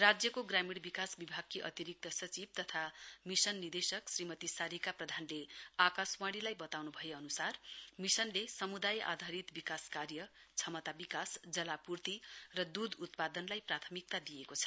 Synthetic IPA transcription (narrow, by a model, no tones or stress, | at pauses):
rad͡zjʌkoɡramiɽbikasbibʱaɡ̚kːiʔʌ̰t̪iɾik̚t̪ʌsʌt͡sib̚t̪ʌt̪ʰamisʌnːid̪esʌksrimʌt̪isaɾikaprʌd̪ʱanleakaswãɽilajbʌt̪awnubʱʌjeʌnusarmisʌnlesʌmud̪ajʔa̰d̪ʱaɾit̪bikaskarjʌt͡sʰʌmʌt̪abikasd͡zʌlapurt̪irʌd̪ud̪ut̪pad̪ʌnlajprat̪ʰʌmik̚t̪ad̪ijekot͡sʰʌ̥